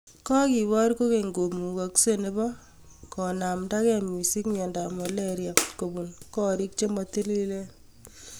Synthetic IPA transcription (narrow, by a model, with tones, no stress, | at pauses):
kɔ˦ki˨βɔ˦ɾko˦ke˨ŋɡo˨mu˨ka˨kse˦ne˦bɔ˦ | kɔ˨na˨mda˦kɛ˦mu˨si˦kɲɛ˨nda˨ma˨leɾja˨ko˨bu˨nkɔ˦ɾi˦k̚t͡ʃe˦mɔ˨ti˦li˦le˦